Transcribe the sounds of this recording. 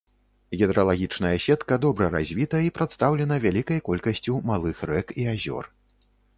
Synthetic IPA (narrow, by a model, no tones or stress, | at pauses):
ɣʲɛd̪ɾɐlˠaɣʲit͡ʂnɐjɐsʲɛt̪kɐd̪ɔbɾɐɾa̰zʲvʲit̪ɐipɾat̪st̪awlʲɛnɐvʲalʲikɐjkɔlʲkɐsʲt͡sʲumalˠɨxrɛkiazʲɔ̰r